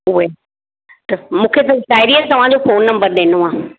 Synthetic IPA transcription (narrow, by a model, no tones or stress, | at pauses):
ʊe | t̪ɐmũːkʰet̪ɐʈaːɪɾiəɾt̪ɐʋ̤ãd͡ʑofoːnːɐ̃mbəɾɗ̪eːnoãː